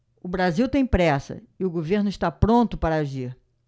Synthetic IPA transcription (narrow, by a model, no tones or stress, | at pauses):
ʊbɾaziwt̪ẽj̃pɾɛsɐ̰ɪʊɡoveɾnʊɪʃt̪apɾõnt̪ʊpaɾɐaʒiɾ